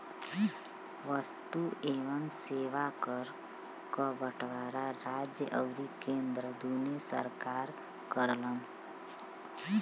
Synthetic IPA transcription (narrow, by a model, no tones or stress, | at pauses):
ʋəst̪ueːʋəmseːʋakəɾ | kəbəʈʰʋaːɾaɾaːd͡ʒjəʔəɡɾikẽːnd̪ɾəd̪uːnesə̰ɾkaːɾ | kəɾləm